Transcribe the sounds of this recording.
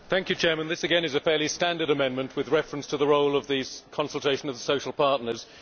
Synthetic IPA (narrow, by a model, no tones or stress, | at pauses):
θæ̃ŋkjɨt͡ʃʰɛːmə̃nðɪsɨɡɛ̃nɨzəfɛːlistæ̃ndəɾəmɛ̃nmə̃nʔwɪðɹɛfɹə̃nstʰəðəɹoʊlˠəvðɨkʰɒ̃nsəlˠtʰeɪʃə̃nəvðəsəʊʃəl̩ˠpʰɑɹtⁿnəz̥